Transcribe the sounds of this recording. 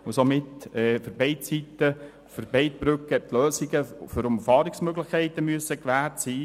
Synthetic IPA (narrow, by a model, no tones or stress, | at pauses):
ʊsomɪtɛːfəɾbɛɪt̚t͡sitːə | fəɾbɛɪtb̥ɾʏkːɛp̚t̪løːsiɡəfʏɾʊmfɑːɾiksmøɡlɪχkʰɛɪt̪əmyəsəkʋæːrtsiː